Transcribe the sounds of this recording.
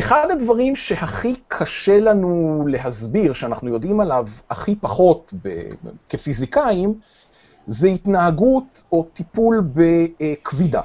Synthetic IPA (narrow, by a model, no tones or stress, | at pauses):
ʔeχad̪advaʁimʃe̞haχikʰaʃe̞lanule̞ɦazbiʁʃeanaχnujo̞dimalavaχipaχo̞tbḛke̞fizikaim | zeit̪naɦaɡuto̞t̪ipulbekvida̰